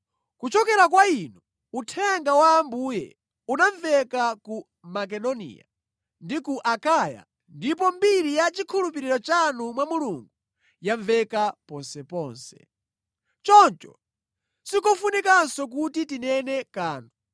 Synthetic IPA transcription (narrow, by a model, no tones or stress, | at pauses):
kut͡ʃɔkɛɾakwainu | utʰɛŋɡawaːmbuːjɛ̰ | unaɱvɛkaku | makɛdɔnḭːja̰ | ndikuʔakaːja̰ | ndip̬ɔmbiɾijat͡ʃikʰulupiɾiɾɔt͡ʃanumwamuluŋɡu | jaɱvɛkapɔnsɛpɔːnsɛ̥ | t͡ʃɔnt͡ʃɔ̰ | sikɔfunikansɔk̬utitinɛnɛkaːnu